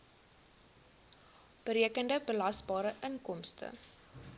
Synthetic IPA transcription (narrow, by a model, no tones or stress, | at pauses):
b̥əɾiəkəndəbəlɐsbɑːɾəʔəŋkɔmstə̰